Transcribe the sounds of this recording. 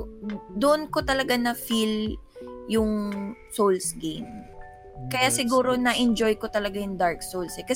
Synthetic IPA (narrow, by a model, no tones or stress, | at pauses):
d̪ʊʔʊnko̞t̪ɐlɐɡanɐfil | jʊŋsolsɡejm | kɐjasɪɡuːɾo̞nɐʔɛnd͡ʒojkot̪ɐlɐɡajʊŋd̪aɹk̚sowlsɛkɐ